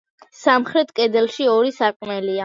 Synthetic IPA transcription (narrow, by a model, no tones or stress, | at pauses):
samχɾɛt̪ʰkʼɛd̪ɛlˠʃiɔɾisaqʼmɛlia